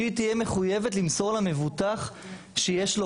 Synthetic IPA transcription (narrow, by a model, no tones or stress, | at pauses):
it̪ijeme̞χujevetlimso̞ʁlame̞vutaχ | ʃejeʃlo